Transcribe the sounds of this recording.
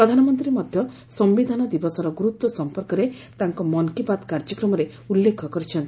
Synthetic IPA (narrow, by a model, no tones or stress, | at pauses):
pɾɔd̪ʱanɔmɔnt̪ɾimɔd̪ʱjɔ | sɔmbid̪ʱanɔd̪ibɔsɔɾɔɡuɾut̪wɔsɔmpɔɾkɔɾe | t̪aŋkɔmɔnkipat̪kaɾd͡ʒɔkɾɔmɔɾe | ulːekʰɔkɔɾit͡ʃʰɔnt̪i